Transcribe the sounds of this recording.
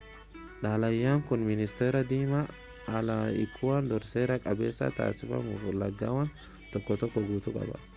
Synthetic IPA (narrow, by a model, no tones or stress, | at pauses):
ᶑaːlɐjːaːŋkʊnmɪnɪst̪eːɾɐd̪iːmaː | lɐɪkʰːʊwand̪ɔɾseːɾɐkʼɐbe̞ːsːa̰t̪a̰ːsɪfɐ̰mʊflːɐɡːaːwɐn | t̪ɔkːɔt̪ɔkːɔɡuːt̪ʊkʼɐ̰bɐ̰